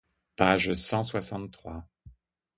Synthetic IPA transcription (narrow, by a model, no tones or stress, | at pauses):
paʒsɑ̃swasɑ̃t̪ːχwa